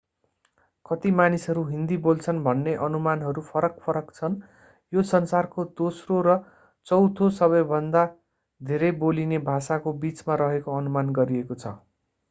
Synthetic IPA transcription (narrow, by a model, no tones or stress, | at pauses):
kʌt̪imanisʌɾuɦind̪ibolt͡sʰʌnbʱʌnːeʔʌnumanɦʌɾupʰʌɾʌk̚pʰʌɾʌkt͡sʰʌn | josʌnsarkod̪osroɾʌ | t͡sʌwt̪ʰosʌβʌjbʱʌnd̪a | d̪ʱeɾʌjbolinebʱasakobit͡smaɾʌɦekoʌnumanɡʌɾiekot͡sʰʌ̰